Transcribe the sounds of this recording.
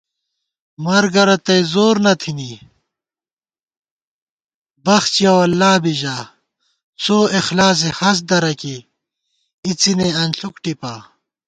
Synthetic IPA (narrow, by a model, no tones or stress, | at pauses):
mɐɾɡɐɾɐt̪ɐjzoːɾnɐt̪ʰini | bɐxt͡ɕjɐwɐlːaːbiʑaː | soːixlaːs̬ehɐs̬d̪ɐɾɐki | it͡sineɐnɬukʈipaː